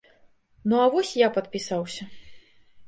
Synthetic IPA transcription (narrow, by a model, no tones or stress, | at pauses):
nuavɔsʲjapɐt̪̚pʲisawsʲɐ